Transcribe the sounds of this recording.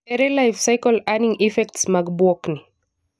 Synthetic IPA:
ɛɾelajfsajkɔlaniŋifɛktsmaɡbɔkni

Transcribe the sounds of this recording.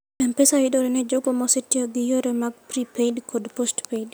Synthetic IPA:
ɛmpɛsawɪdɔɾɛnɛd͡ʒoɡomɔsetjɔɡɪjoɾemaɡ̚pɾipedkɔdpostped

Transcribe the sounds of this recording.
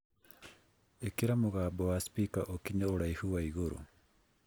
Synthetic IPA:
ekiɾamoɣaboaspikaʔokiɲaoɽaihuwaiɣoɾṵ

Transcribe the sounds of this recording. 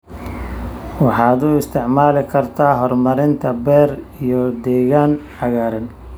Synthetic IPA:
wɑħɑːd̪ʊɪst̪ʰɪʕmaːlɪkʰɐrt̪ʰaːɦɔrmɐɾɪnt̪ʰɐbɛːr | ijɔd̪ɛːɣaːnħɑɣaːɾɐn

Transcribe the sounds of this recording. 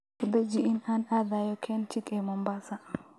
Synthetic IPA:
kud̪ɛd͡ʒiʔinanad̪ajɔkʰɛnt͡ʃikʼɛmɔmbasa

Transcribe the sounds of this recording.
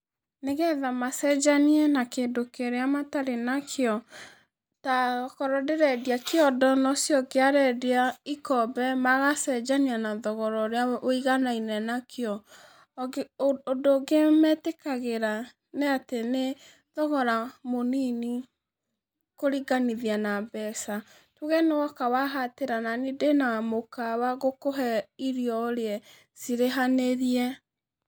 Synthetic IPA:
neɣɛðamasɛd͡ʒaniɛnakeːndokeɾeamataɾenakʰeɔ | takɔɾɔdeɾɛdiakeɔdɔnɔsjɔkeaɾɛdeaikɔbɛmaɣasɛd͡ʒanianaðɔɣɔɾɔɾeaoiɣanainɛnakʰjɔ | odoːɡemɛtekaɣeɾa | neatene | ðɔɣɔɾamonini | koɾiɡaniðianabɛsa | tuɣɛnewɔkawaɦateɾananedenamokawaɣokoɦɛiɾiɔoɾeɛ | siɾeɦaneɾiɛ

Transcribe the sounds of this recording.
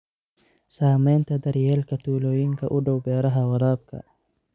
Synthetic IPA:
saːmɛːnt̪ɐd̪ɐɾjɛlkɐt̪uːloːjɪŋkʰɐʔʊɖɐwbɛːɾɐɦɐwɐɾaːb̚kʰɐ̰

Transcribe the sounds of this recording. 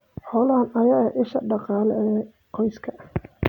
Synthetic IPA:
ħɔːlaːnɐjaːʔɪʃɐ̰ɖɑqɑːlɛɛː | qɔjskʰɐ

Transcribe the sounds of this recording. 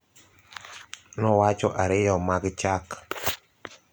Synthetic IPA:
nɔwat͡ʃɔʔaɾɪjɔmaɡt͡ʃak

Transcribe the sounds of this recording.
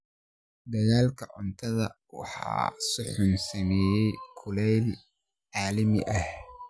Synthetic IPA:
d̪ɐɣaːlkʰɐʕʊnt̪ʰɐðɐ̰ | wɑ̰ħɑ̰ːsʊħʊnsɐmɛːjɛjkʰʊlɛjl | ʕɑːlɐmɪ̰ʔɐh

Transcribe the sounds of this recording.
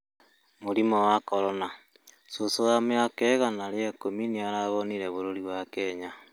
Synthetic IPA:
moɾimɔwakɔɾɔna | sosojameakɛɣanaɾeekominiaɾaβoniɾeβoɾoɾiβwakɛɲa

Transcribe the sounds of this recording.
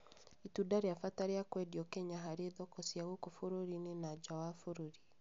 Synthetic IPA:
itudaɾeafataɾeakwɛdiɔkɛɲaɦaɾeðɔkɔsijaɣokofoɾoɾinenad͡ʒawafoɾoɾi

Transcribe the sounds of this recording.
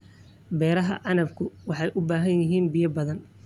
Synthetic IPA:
bɛːɾɐɦɐ̰ʔɑnɐbkʰʊwɑħɑjʔʊbaːɦɐnjɪɦiːnbijɐbɐðɐn

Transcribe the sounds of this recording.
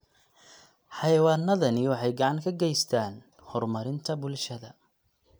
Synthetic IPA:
ħɑjɐwɑːnːɐðɐnɪwɑħɑjɡɑʕɑŋkʰɐɡɛjst̪ʰaːn | hɔrmɐɾɪnt̪ʰɐbʊlʃɐðɐ

